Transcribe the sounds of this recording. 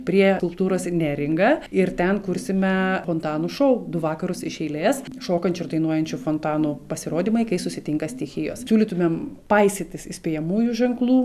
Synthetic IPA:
pʲɾʲiɛkʊlˠp̚t̪uːɾoːsnʲæːɾʲɪŋɡɐːɪɾt̪ʲɛnkʊɾʲsʲɪmʲɛfoːnt̪ɑːnʊʃɐʊd̪ʊʋɑːkɐɾʊsɪʃʲɛɪlʲeːsʃoːkɐnʲt͡ʃʲʊrd̪ɐɪnuɔjɛnʲt͡ʃʲʊfoːnt̪ɑːnupɐsʲɪɾoːd̪ʲiːmɐɪkɐɪsʊsʲɪt̪ʲɪŋkɐsʲt̪ʲixʲɪjo̰ːssʲuːlʲit̪ʊmʲempɐɪsʲɪt̪ʲɪsɪsʲpʲeːjɛmuːjuʒʲɛŋklˠuː

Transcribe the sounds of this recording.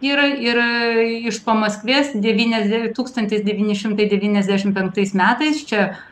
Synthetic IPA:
iːɾɪɾɪʃpɐmɐsʲkʋʲeːsd̪ʲɛʋʲiːnʲɛzʲd̪ʲt̪uːkst̪ɐnʲt̪ʲɪsd̪ʲɛʋʲiːnʲɪʃʲɪmt̪ɐɪd̪ʲɛʋʲiːnʲɛzʲdʲæːʃʲɪmpʲɛŋk̚t̪ɐɪsmʲæːt̪ɐɪst͡ʃʲɛ

